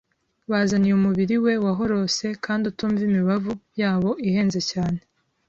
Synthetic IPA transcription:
wazanijumuβiɾiwe̞waɦo̞ɾo̞se̞kʰaːndutuːɱvimiβavujaːβo̞ʔihe̞ːnzecaːne̞

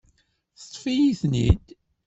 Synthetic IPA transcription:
θə̥t̪ˤfijiθnḭd̪

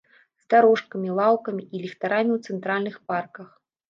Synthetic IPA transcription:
zd̪aɾɔʂkɐmʲilˠawkɐmʲiilʲixt̪aɾamʲiwt̪sɛnt̪ɾalʲnɨxparkɐx

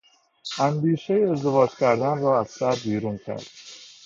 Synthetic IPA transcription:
ʔæmd̪iːʃejeːzd̪e̞vɒːd͡ʒcʲʰæɾd̪ænrɒːæz̥sæɾbiːɾuːncʰæ̰ɾd̪̥

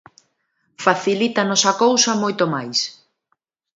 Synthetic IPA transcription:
faθilit̪ɐnɔsɐkowsɐmojt̪omajs

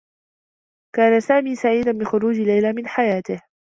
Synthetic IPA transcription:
kaːnasaːmiːsaʕiːd̪anbɪxʊɾuːd͡ʒɪlːajlaːmɪnħajaːt̪ɪh

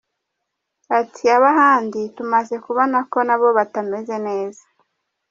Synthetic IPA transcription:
atʰiaβaɦaːnditumaze̞kuβonako̞naβo̞βatame̞ze̞ne̞ːza

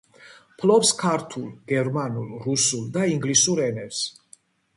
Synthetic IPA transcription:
pʰlɔpskʰaɾt̪ʰulˠɡ̥ɛɾmanulˠɾusulˠd̪aiŋɡlisuɾɛnɛps

